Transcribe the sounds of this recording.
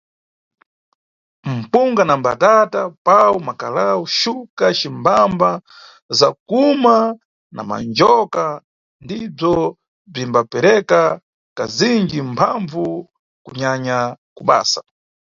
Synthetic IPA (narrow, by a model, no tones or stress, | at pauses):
m̩puŋɡanambatatapawumakalawuʃukat͡ʃimbamba | zakuma | na̰ma̰nd͡ʒɔka | ndib͡ʐɔ | b͡ʐimbapɛɾɛka | kaziŋd͡ʒimpʰaɱvu | kuɲaɲakuɓa̰ːsḁ